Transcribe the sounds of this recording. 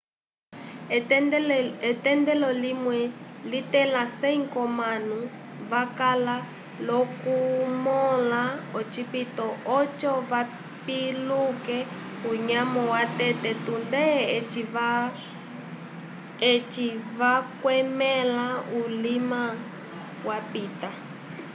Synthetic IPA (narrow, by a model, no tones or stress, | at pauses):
ɛtɛndɛlɔlimwɛlitɛlasɛiŋkɔmanu | vakala | lɔkumɔlaɔt͡ʃipitɔɔt͡ʃɔva | pilukɛ | uɲamɔwatɛtɛtundɛt͡ʃiva | ɛt͡ʃivakwɛmɛlaulima | wapiːta